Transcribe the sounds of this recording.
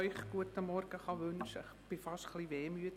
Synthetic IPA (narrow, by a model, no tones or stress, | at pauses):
œʏχɡ̥uətəmɔrɡ̥əχɑʋʏnʃəɪχb̥ɪfɑʃtχliʋeːmyət